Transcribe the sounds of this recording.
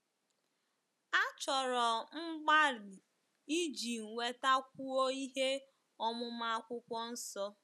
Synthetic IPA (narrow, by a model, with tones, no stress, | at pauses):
a˦t͡ʃɔ˨ɾɔ˨m̩˦ɡ͡ba˦ɾɪ˨ | i˦d͡ʒi˨ŋ̩˨we˨ta˦kʷu˦o˦i˦ɦe˦ | ɔ˦mʊ˦ma˦a˦kʷʊ˦kʷɔ˦n̩˦sɔ˦